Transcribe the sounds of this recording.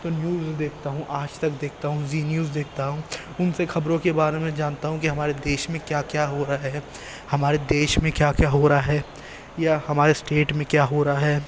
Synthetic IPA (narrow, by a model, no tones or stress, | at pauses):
t̪onjuːzd̪eːkʰt̪aɦũʔaːd͡ʒt̪ɐkd̪eːk̚ʰt̪aɦũziːnjuːzd̪eːk̚ʰt̪aɦũ | ʊnsexɐbɾõkebaːɾemẽd͡ʒaːnt̪aɦũkiɦɐmaːɾed̪eːʃmẽkjaːkjaːɦoːɾaɦɛː | hɐmaːɾed̪eːʃmẽkjaːkjaːɦoːɾaɦɛː | jahɐmaːɾesʈeːʈmẽkjaːɦoːɾaɦɛː